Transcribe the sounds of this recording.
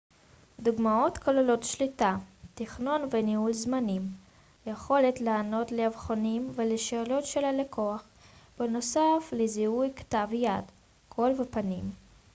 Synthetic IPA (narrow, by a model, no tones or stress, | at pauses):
d̪uɡmao̞t̪kʰalelo̞t̪ʃlitat̪iχno̞nvenihulzmanim | jeχo̞letlaano̞tleavχonimveleʃelo̞tʃelalekʰo̞aχ | beno̞safleziujktavjad | kʰo̞lvepanim